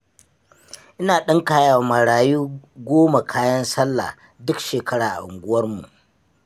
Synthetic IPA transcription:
ʔɪ˦naː˨ɗɐ˦ŋkaː˦jaː˨wma˨ɽaː˨juː˦ɡʷoː˦ma˨kʰaː˦jɐ˦nsɐ˦lːa̰˨ | dʊ˦kʃeː˨kɐ˦ɽaː˨ʔa̰˨ʊ̰˨ŋɡʷʊ˦wɐ˦rmṵ˨ʔ

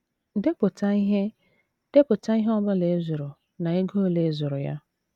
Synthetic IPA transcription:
de˦pʊ˨tʰa˦i˦ɦe˦ | d̥e˦pʊ˨ta˦i˦ɦɔ˦bʊ˦le˨e˦zʊ˨ɾʊ˨ | na˨e˦ɡo˦o˦le˨˦zʊ˨ɾʊ˨ja̰˦

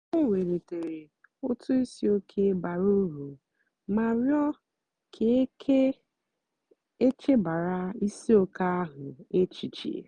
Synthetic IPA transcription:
ʊ˦˨we˨ɾe˨te˨ɾe˨ | ʊ˦tʊ˦i˦si˦o˦kʰe˦ba˨ɾu˦ɾu˨ | ma˨ɾjɔ˦ | kʰe˨˦kʰe˦ | e˦t͡ʃe˦ba˨ɾa˦i˦si˦o˦ka˦a˦ɦʊ˨e˦t͡ʃi˨t͡ʃḭ˨

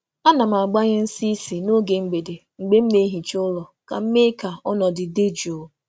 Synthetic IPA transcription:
a˦na˨m˨a˨ɡ͡ba˦ɲɪ˦n̩˦si˦si˨no˦ɡe˨ŋ͡m̩˦ɡ͡be˨de˨ | ŋ͡m̩˨ɡ͡be˦m̩˦ne˦ɦi˨t͡ʃʊ˦lɔ˨ka̰˨m̩˦me˦ka˨ɔ˦nɔ˨dɪ˨de˦d͡ʒo˨

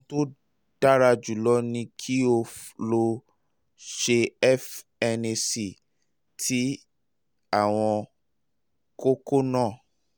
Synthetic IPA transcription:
to˦ | d̥a˦ɾa˧d͡ʒu˨lɔ˦nĩ˧kʰi˦o˧flo˧ | ʃe˧ɛ˦f | ɛ˧ne˧si˨ | tʰi˦ | a˦˨w̃ɔ̃˧ | ko˦ko˦nãː˦˨

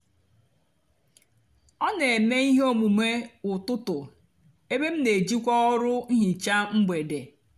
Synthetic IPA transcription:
ɔ˦ne˨me˦i˦ɦo˦mu˨me˦ʊ˨tʊ˦tʊ˨ | e˦be˦m̩˦ne˨d͡ʒi˦kʷɔ˦ɔ˦ɾʊ˦n̩˦ɦi˨t͡ʃa˦ŋ͡m̩˦ɡ͡be˨de˨

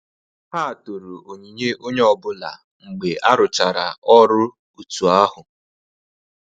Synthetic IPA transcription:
haː˦˨to˨ɾu˨ʔo˨ɲi˨ɲe˦ʔo˦ɲe˦ɔ˨bʊ˦la̰˨ | ŋ͡m̩˨ɡ͡be˨ʔa˦ɾʊ˨t͡ʃa˨ɾa˨ɔ˦ɾʊ˦ | u˨tu˨a˦ɦʊ˨

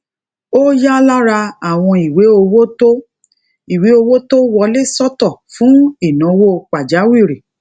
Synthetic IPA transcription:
o˦ja˦la˦ɾa˧a˦˨w̃ɔ̃˧i˨we˨˦o˧wo˦to˦ | i˨we˨˦o˧wo˦to˦wɔ˧le˦sɔ˦tɔ˦˨fũ˨˦i˦˨nã˨˦wo˦k͡pa˨d͡ʒa˨˦wi˦˨ɾi˨

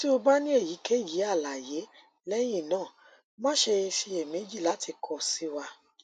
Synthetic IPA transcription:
ti˦o˧ba˦nĩ˦e˦˨ji˨˦ke˦ji˨˦a˦˨la˨je˨˦ | lɛ˦jĩ˦˨nãː˦˨ | mã˦ʃe˧ʃi˧e˨mẽ˨˦d͡ʒi˦˨la˨˦ti˧kʰɔ˨si˦wa˧

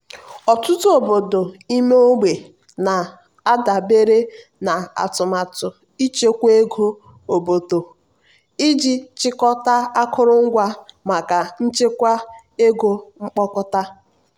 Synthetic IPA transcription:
ɔ˨tʊ˦tʊ˦o˨bo˨do˨i˦me˦o˦ɡ͡be˨ | na˨ | a˦da˨be˦ɾe˦ | na˨a̰˨tʊ˨ma˨tʊ˨ | i˦t͡ʃe˦kʷe˦ɡo˦ | o˨bo˨do˨ | i˦d͡ʒi˦t͡ʃɪ˦kɔ˦ta˦a˦kʰʊ˦ɾʊ˦ŋ̩˦ɡʷa˦ma˨ka˨n̩˦t͡ʃe˦kʷa˦ | e˦ɡo˦ŋ͡m̩˦k͡pɔ˦kɔ˦ta˦

